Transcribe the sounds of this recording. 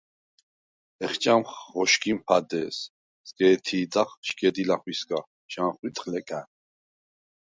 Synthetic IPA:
ɛχt͡ʃʼamχːɔʃkʰʼimpʰad̪ɛːs | zɡɛːt̪ʰiːt͡s̪ʼaχʃkʼɛd̪ilaχwisɡa | ʃaːχwit̪ʼχlɛkʼa

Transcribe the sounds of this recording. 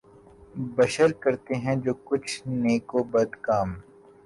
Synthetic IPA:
bɐʃəɾkɐɾt̪eɦɛ̃d͡ʒoːkʊt͡ʃʰneːkobɐd̪kaːm

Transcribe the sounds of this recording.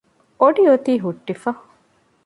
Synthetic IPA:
oɖiot̪iːɦuʈːifɐ

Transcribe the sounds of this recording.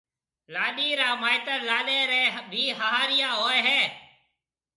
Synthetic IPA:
laːɗiːɾaːmaːɪt̪əɾlaːɗeːɾeːbʱiːɦəɦaːɾɪjãːoːeɦɛː

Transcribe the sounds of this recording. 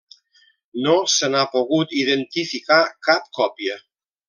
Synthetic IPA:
nosənapoɣ̞ut̪iðent̪ifikakap̚kɔpiə

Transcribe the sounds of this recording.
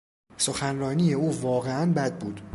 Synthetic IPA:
so̞xænɾɒːniːjeuːvɒːɣeænbæd̪̚buːd̪̥

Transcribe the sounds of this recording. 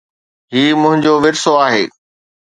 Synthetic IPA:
ɦiːmʊ̃ɦɪ̃ɲd͡ʑoʋɪɾsoaːɦeː

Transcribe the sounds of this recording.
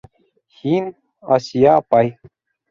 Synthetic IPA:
hiːn | ɐsjapaj

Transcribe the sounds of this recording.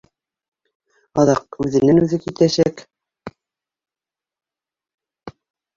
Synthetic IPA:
ɑðɑq̚ʉðɘ̆nænʉðɘkit̪æɕæk

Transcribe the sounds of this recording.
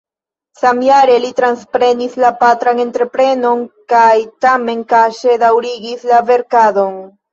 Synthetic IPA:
samjaɾe̞litɾanspɾe̞nislapatɾane̞ntɾe̞pɾe̞no̞nkajtame̞nkaʃe̞dawɾiɡislave̞ɾkado̞n

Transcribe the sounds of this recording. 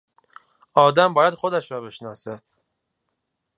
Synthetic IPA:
ʔɒːd̪æmbɒːjæd̪xod̪æʃɾɒːbeʃnɒːsæd̪̥

